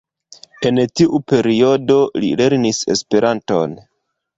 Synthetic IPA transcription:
e̞ntiʔupe̞ɾio̞do̞lḭle̞ɾnise̞̰spe̞ɾʔanto̞̰n

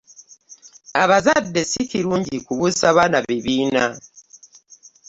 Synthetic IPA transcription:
aβazadːe̞siciɾuːɲɟikuβusaβanaβiβiːna

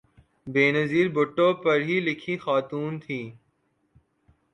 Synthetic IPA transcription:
beːnɐziːɾbʊʈːõpɐɾɦilɪkʰixaːt̪uːnt̪ʰiː

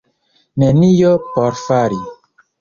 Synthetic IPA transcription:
nenijopoɾfaɾi

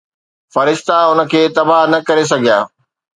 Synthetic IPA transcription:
fɐɾɪʃt̪aʊnə̆kʰeːt̪ɐbaɦnɐkɐɾes̬ɐɡʱija̰ː

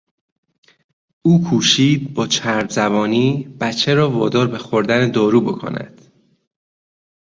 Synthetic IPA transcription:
uːkʰuːʃiːd̪̚bɒːt͡ʃʰæɾbzæbɒːniːb̥æt͡ʃʰːeɾɒːvɒ̰ːd̪ɒːɾbe̞xoɾd̪æned̪ɒːɾuːbo̞kʰo̰næ̰d̪̥

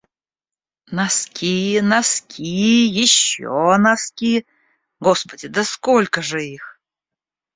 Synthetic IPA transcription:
naskʲʰijnaskʲʰijjɪɕːo̰naskʲi | ɡospədʲɪd̪əskolʲkəʐɨix

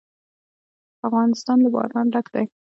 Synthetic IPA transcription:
afɣɑnɪst̪ɑnlabɑ̰ɾɑnɾakd̪aj

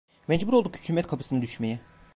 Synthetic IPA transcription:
mɛd͡ʒbuɾolˠd̪ukhycʰyːmɛt̪̚kʰapʰɯ̥sɯnɯd̪yʃmejɛ

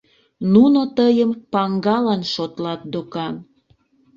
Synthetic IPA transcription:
nunot̪əjəmpɑŋɡɑlɑnʃot̪lɑt̪̚d̪okɑn

